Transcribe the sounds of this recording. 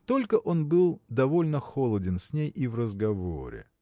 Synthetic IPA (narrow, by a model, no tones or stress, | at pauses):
t̪o̞lʲkəʔonbɨlˠd̪ɐvo̞lʲnəxolˠədʲɪnsʲnʲejʔivrəzɡɐvo̰ɾʲɪ̰